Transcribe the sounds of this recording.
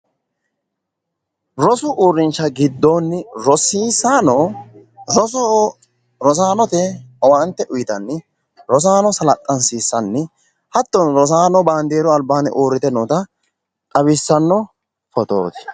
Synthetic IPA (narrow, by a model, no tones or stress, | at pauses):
ɾɔsʊʔuːɾːɪnt͡ʃːɐɡɪd̪ːoːnːɪɾɔsiːsaːnɔ | ɾɔsɔ | ɾɔs̬aːnɔt̪ɛɐwant̪ːɛʔʊjɪt̪ɐnːɪ | ɾɔs̬aːnɔsɐlɐt̪ʼːɐnsiːsːɐnːɪ | hɐt̪ːɔnɾɔs̬aːnɔbaːnd̪eːɾɔɐlbaːnɪ̰ʔoːɾːɪt̪ɛnɔt̪ɐ | tʼɐβɪsːɐnːɔ | fɔt̪o̰ːt̪ɪ̥